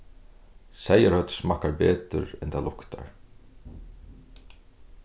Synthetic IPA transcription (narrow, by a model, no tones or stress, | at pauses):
sɛjəɾhœt̪smahkaɹpɛːt̪ʏ̰ɾɛnt̪ʰalʊkt̪a̰ɹ